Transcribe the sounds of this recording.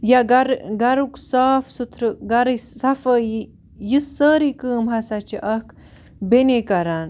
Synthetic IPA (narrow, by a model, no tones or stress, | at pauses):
jaɡɐɾɡɐɾuksaːfsut̪ʰɾɨɡɐɾisɐfəːji | jisːəːɾikəːmɦɐsat͡ʃiʔɐk | benekɐɾaːn